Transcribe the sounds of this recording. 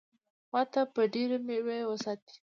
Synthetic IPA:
mɑt̪apəɖeɾemewewəsɑt̪̚i̥

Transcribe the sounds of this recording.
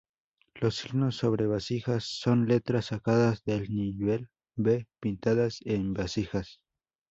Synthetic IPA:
losiɣnosːoβɾe̞βasixasːo̞nle̞t̪ɾasakaðazðelniβe̞l | bepint̪aðasembasixas

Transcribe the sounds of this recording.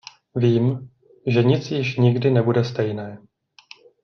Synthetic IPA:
viːm | ʒɛɲɪt͡sjɪʃɲɪɡdɪnɛbudɛst̪ɛjnɛː

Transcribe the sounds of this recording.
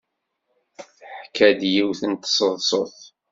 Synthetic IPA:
θħkʰːæd̪jiwθənt̪sˤəðˤsˤoθ

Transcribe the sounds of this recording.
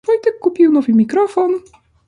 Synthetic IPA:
vɔjt̪ɛkːupʲiwnɔvɘmʲikɾɔfɔn

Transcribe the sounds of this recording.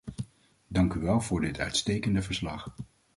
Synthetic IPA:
dɑŋkyʋɛlˠvʊːɹdɪtʰœ̰ɥtstejkəndəvəɹslɑ̰χ

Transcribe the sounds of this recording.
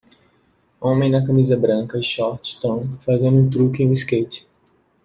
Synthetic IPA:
õmẽj̃nɐkɐmizɐbɾɐ̃kɐiʃɔɾt͡ʃɪ̥t̪ɐ̃w̃fazẽnd̪ʊũt̪ɾukẽj̃ũiskejt͡ʃɪ̥

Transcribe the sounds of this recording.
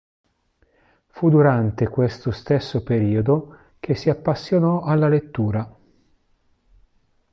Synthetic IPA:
fud̪uɾant̪ekwest̪ost̪esːopeɾiːod̪o | k̟ʰesːiapːasːjonɔʔalːalet̪ːuːɾa

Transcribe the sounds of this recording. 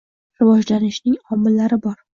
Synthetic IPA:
ɾɪvɒd͡ʒlanɪʃnɪŋɒmːɪlːaɾɪbɒɾ

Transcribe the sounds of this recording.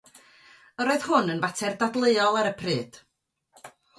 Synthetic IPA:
əɾɔɨð̥hʊnənvatʰɛrdadlˠeɨɔlˠaɾəpʰrɨːd̥

